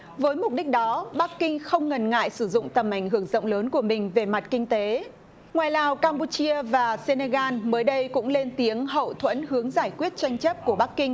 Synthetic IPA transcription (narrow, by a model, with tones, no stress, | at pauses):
vəː˨˦jmʊ˨˩k͡p̚ɗi˦˥k̟̚ɗɔ˨˦ɓa˦˥kːï˧ŋxə˧wŋ͡mŋə˨˩nŋa̰ː˧˨jsɨ˧˩zʊ̰˧˨ŋ͡mt̪ə˨˩mʔa˧˩jŋ̟ɦɨ˧˩əŋzə̰˧˨wŋ͡mləː˨˦nku˧˩əmï˨˩ŋ̟ve˨˩ma˨˩t̚kï˧ŋ̟t̪e˨˦ | ŋwaː˨˩jlaː˨˩wkaː˧mpu˧t͡ɕi˧əvaː˨˩se˧ne˧ɣaː˧nməː˨˦jɗə˧jkʊ̰˧˥ŋ͡mle˧nt̪i˨˦əŋɦə̰˧˨wt̪ʰwə̰˧˥nhɨ˨˦əŋzaː˧˩jkwi˦˥ət̚t͡ɕa˧jŋ̟t͡ɕə˦˥p̚ku˧˩əɓa˦˥kːï˧ŋ̟